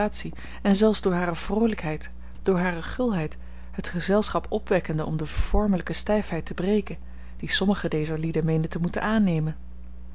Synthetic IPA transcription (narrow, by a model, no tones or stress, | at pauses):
aːtsi | ɛnzɛlˠfzdʊːɹɦaːɾəv̥rowləkɦɛjt | d̥ʊːɹɦaːrəχɵlˠɦɛjt | ɦətχəzɛlˠsχɑpɔpʋɛkəndəɔmdəv̥ɔɹmələkəstɛjfɦɛjtəbrejkən | d̥isɔməχədejzəɹlidəmejndətəmutə̰naːnejmən